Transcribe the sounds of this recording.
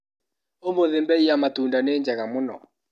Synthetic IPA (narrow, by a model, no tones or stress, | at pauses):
omoðembɛiamatuːndaneːɲd͡ʒaɣamonɔ̰